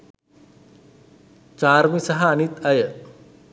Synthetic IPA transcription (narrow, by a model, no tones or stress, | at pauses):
t͡ʃaːɾmisɐɦɐːnit̪ɐjə